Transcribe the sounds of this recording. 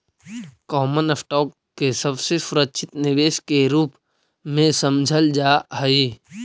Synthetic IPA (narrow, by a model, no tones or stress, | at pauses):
kɔːmənəsʈɔːkːesəbsesʊɾəkʃʰɪt̪nɪʋeːʃkeɾuːp | mẽsəmd͡ʒʱəld͡ʒaːɦəi